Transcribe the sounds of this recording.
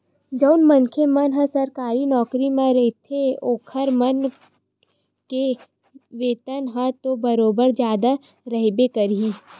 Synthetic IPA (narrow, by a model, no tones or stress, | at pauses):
d͡ʒɔʊnmənkʰemənɦə̃sɐɾkaːɾinɔːkɾimẽɾɛɦt̪ʰeoːkʰəɾmən | ke | ʋeːt̪ənɦə̃t̪obəɾoːbəɾd͡ʒjaːd̪a | ɾəɦbekəɾɦiː